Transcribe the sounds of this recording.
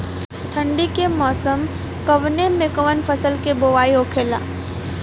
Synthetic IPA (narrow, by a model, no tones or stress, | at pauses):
t̪ʰə̃ɳɖikemɔːsəm | kəʋnemekəʋənpʰəsəlkeboːʋaːioːkʰeːla̰ː